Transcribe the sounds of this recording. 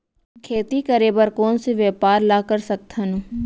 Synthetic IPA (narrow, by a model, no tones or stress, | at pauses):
kʰeːt̪ikɐɾeːbəɾkɔːnseʋjɛːpaːɾlaːkəɾsɐk̚t̪ʰɐnũ